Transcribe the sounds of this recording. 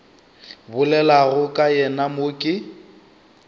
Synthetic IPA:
bʊlɛlaɣʊkʼajɛnamokʼɪ

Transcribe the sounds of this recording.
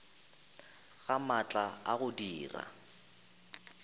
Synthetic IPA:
ɣamat͡ɬʼaaɣʊdiːra̰

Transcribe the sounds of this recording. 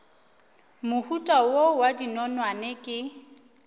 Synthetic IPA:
mʊhutʼawowadinɔnwanɪkʼɪ

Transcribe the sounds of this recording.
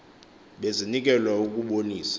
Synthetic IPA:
ɓezinik̬ʼɛlwauk̬ʼuɓoniːsḁ

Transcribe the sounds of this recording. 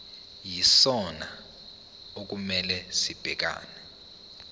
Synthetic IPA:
jisɔna | ok̬umɛlɛsib̥ʱɛk̬a̰ːnɛ

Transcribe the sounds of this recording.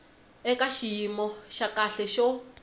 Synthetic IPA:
ɛkaʃijimɔʃakaɬɛʃɔ

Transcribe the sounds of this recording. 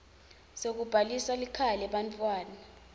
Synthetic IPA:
sok̬ub̥ʱalisalikʰalɛɓantʼwaːna

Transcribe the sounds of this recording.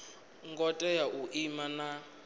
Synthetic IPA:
ŋɡɔtʼɛjaʔuʔimana

